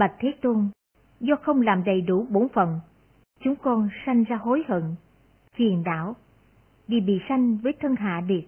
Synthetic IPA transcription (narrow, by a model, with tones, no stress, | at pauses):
ɓa˨˩k̚t̪ʰe˨˦t̪o˧n | zɔ˧xə˧wŋ͡mlaː˨˩mɗə˨˩jɗu˧˩ɓo˨˦nfə˨˩n | t͡ɕʊ˨˦ŋ͡mkɔ˧nsa˧jŋ̟zaː˧ɦo˨˦jhə̰˧˨n | fḭ˨˩ənɗa̰ː˧˨w | vi˨˩ɓḭ˧˨sa˧jŋ̟vəː˨˦jt̪ʰə˧nɦa̰ː˧˨ɗi˨˩ət̚